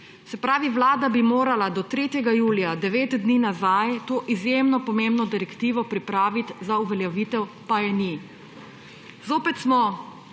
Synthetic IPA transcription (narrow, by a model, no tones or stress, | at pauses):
sɛpɾaːʋiʋlaːd̪abimoːɾalad̪ɔt̪ɾeːt̪jɛɡajuːlijad̪ɛʋeːt̪d̪niːnazajt̪oːʔizjemnɔpɔmembnɔd̪ɛɾɛkt̪iːʋɔpɾipɾaːʋit̪zauʋɛljɛʋiːt̪ɛw | pajɛni | zoːpɛt̪smɔ